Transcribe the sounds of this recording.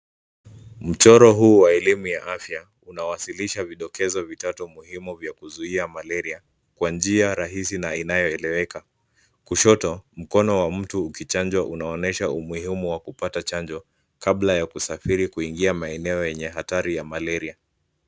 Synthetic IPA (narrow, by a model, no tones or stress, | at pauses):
m̩t͡ʃɔɾɔɦuːwaɛlimujaʔafja | unawasiliʃaviɗɔkʰɛzɔvitatɔmuhimuvjakuzuiamalɛɾia | kwand͡ʒiaɾaɦisinainajɔɛlɛwɛka | kuʃɔtɔm̩kɔnɔwam̩tuːkit͡ʃand͡ʒwaʔunaɔnɛʃaumuhimuwakupatat͡ʃand͡ʒɔ | kablajakusafiɾikuiŋɡiamaɛnɛɔjɛɲɛɦataɾijamalɛɾia